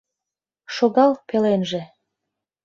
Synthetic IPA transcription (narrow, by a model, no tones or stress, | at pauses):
ʃoɣɑlpelenʒĕ